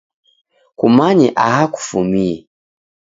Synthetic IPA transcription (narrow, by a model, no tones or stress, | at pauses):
kumaɲɛʔahaku̥fumiɛ